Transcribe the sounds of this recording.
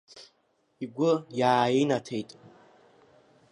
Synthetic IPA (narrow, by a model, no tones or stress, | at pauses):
iɡʷʊjaːenatʰe̞jtʼ